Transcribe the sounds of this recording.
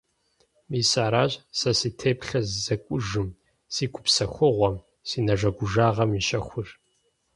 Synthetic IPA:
miːsaːɾaːɕʼsɐsiːtʰeːpɬɐzzɐkʷʼʊʒɨm | siːkʷʰʼʊ̥psɐxʷʊʁʷɔm | siːnɐʒɐɡʷʊʒaːʁɐmiʃɐxʷʊr

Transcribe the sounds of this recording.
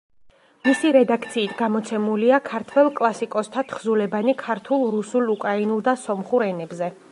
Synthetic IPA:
misiɾɛd̪ak̚ʰt̪sʰiːt̪ʰɡamɔt̪sʰɛmuliakʰaɾt̪ʰwɛlˠkʼlˠasikʼɔst̪ʰat̪ʰχzulɛbanikʰaɾt̪ʰulˠɾusulˠukʼɾainulˠd̪asɔmχuɾɛnɛbzɛ

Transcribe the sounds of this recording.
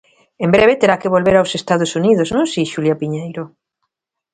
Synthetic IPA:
embɾeβ̞et̪eɾakeβ̞olβeɾawsest̪aðosuniðoznõŋsiʃuljapiɲejɾo

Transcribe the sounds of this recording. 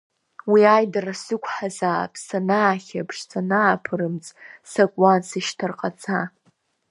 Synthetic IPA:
wiajdarasɨkʷʰħazaːpʰsanaːχʲapʰʂt͡sʰʼanaːpʰɨɾɨmt͡sʼsakʷʼansɨʃtʰarqʼat͡sʰa

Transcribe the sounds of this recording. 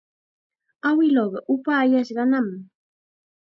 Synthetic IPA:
awɪloɢɑʔʊpaːjaʃɢɑnam

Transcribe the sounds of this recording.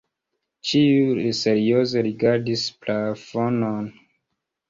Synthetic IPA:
t͡ʃiulise̞ɾio̞ze̞ɾiɡaɾdisplafo̞non

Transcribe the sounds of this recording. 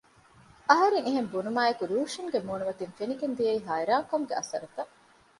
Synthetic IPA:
ɐɦɐɾeŋiɦembunumaːekuɾuːʂiŋɡemuːnumɐt̪infeniɡend̪ijɐiːɦaːiɾaːŋkomuɡeʔɐ̰sɐ̰ɾɐt̪ɐ

